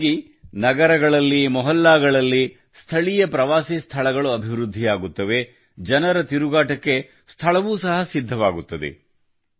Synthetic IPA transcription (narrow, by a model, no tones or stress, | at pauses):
ɡi | nɐɡɐɾɐɡɐɭɐlːimɔɦɐlːaːɡɐɭɐlːi | st̪ʰɐɭijɐpɾɐʋaːsist̪ʰɐɭɐɡɐɭuɐbʱiʋɾud̪ʱːijaːɡut̪ːɐʋe̞ | d͡ʒɐnɐɾɐt̪iɾuɡaːʈɐkːe | st̪ʰɐɭɐʋuːsɐɦɐsid̪ʱːɐʋaːɡut̪ːɐd̪e̞̰